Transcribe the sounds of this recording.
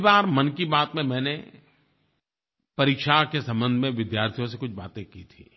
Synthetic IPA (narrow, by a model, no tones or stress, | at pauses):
baːɾmɐnkibaːt̪mẽmɛ̃ːne | pɐɾiːkʃakesɐ̃mbə̃nd̪ʱmẽʋɪd̪jaːɾt̪ʰijõsekʊt͡ʃʰbaːt̪ẽkit̪ʰḭː